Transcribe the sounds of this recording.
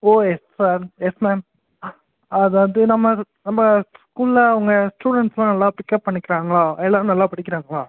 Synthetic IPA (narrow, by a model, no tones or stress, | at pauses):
oːɛssaːɾɛsmɛːm | ɐðaːɐðɯnɐmːɐ | nɐmːɐsskuːlːɐʊŋɡɐsʈuːɽɐɳʈslãːnɐlːaːpɪkːɐppːɐɳːɪkːɪɾaːŋɡɐɭãːɛlːaːnɐlːaːpɐɽɪk̬ːɪɾaːŋɡɐɭaː